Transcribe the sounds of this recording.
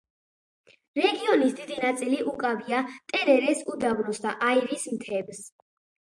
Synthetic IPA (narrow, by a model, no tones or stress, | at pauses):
ɾɛɡiɔnisd̪id̪inat̪sʼiliʔukʼaviat̪ʼɛɾɛɾɛsud̪avlusd̪aʔaiɾismt̪ʰɛbs